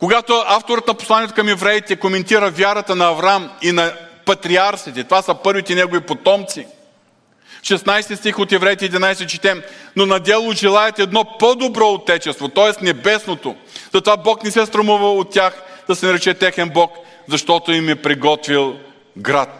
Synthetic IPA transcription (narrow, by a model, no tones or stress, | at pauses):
koɡat̪ʊaft̪oɾət̪nɐpo̥slˠaniɛt̪o̥kɐmɛvɾɛjit̪ɛkomɛnt̪iɾəvʲjaɾɐt̪ənɐːvɾaminɐpɐt̪ɾiaɾsit̪ɛt̪ovasəpɤɾvit̪ɛnɛɡovipot̪ɔmt̪si | fʃɛsnajst̪ist̪ixot̪ɛvɾɛjt̪ɛɛd̪ʲinajsɛt͡ʃɛt̪ɛmnonɐd̪ɛlˠʊʒɛlˠaɛt̪ɛd̪nɔpɔd̪obɾɔot̪ːɛt͡ʃɛst̪vot̪ɔɛsnɛbɛsnot̪o | zɐt̪ovabɔknɛsɛst̪ɾɐmuvəot̪ːʲjaxd̪̥ɐsɛnɐɾɛt͡ʃɛt̪ɛxɛnbɔk | zɐʃt̪ɔt̪oimɛpɾiɡɔt̪vilˠ | ɡɾat̪̚